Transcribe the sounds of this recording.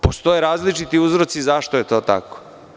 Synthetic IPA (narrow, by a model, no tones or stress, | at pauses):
post̪o̞jeɾaːzlit͡ʃit̪iuzɾo̞t̪sizaʃt̪ojet̪o̞ːt̪a̰ko̥